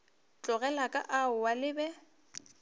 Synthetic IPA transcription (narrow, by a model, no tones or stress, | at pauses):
t͡ɬʼʊɣɛlakʼa̰ʔaʊwalɪbɛ